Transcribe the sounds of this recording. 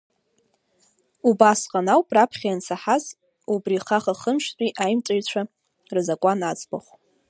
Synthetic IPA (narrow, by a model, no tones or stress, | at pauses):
ubasqʼanawpʼrapʰχʲajansʰaħaz | ubriχaχaχəmʃtʷʼiʔajmt͡sʼajt͡ɕʷʰa | rɨzakʷʼanat͡sʼbaχʷ